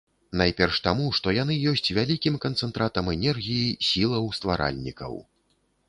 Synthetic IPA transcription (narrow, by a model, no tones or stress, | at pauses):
najpʲɛrʂt̪amuʂt̪ɔjan̪ɨjɔsʲt͡sʲvʲalʲikʲimkɐnt̪sɛnt̪ɾat̪ɐmɛnʲɛrɣʲijisʲilˠɐwst̪vaɾʔa̰lʲnʲḭkɐ̰w